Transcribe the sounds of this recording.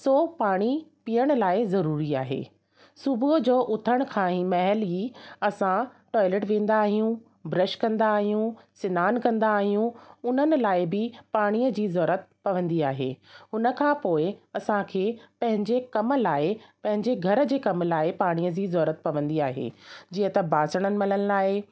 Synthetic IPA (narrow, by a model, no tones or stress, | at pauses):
soːpaːɽ̃ipijəɽ̃ʊ̆laːɪzɐɾuːɾiaːɦḛː | sʊbʊd͡ʑoːʔʊt̪ʰəɽ̃kʰãːĩmɐɦɛliɐsã | ʈɔːɪleʈʋẽːn̆d̪aːɦijũ | bɾɐʃkɐ̃nd̪aːɦijũ | sɪnaːnkɐ̃nd̪aːɦijũʊn̤ənɪ̆laːɪbɪpaːɽ̃iːəd͡ʑiːzɔːɾət̪̚pɐʋə̃nd̪iaːɦḛːɦʊnə̆kʰãːpoːɪɐsãkʰeːpɐ̃ɦɪ̃ɲd͡ʑekɐmlaːɪpɐ̃ɦɪ̃ɲd͡ʑeɡʱɐɾə̆d͡ʑeːkɐmlaːɪpaːɽ̃iːəd͡ʑiːzɔːɾət̪pɐʋə̃nd̪iaːɦḛːd͡ʑiːɦə̃t̪ɐbaːsəɽ̃ənɪ̆mɐləñɪlaːɪ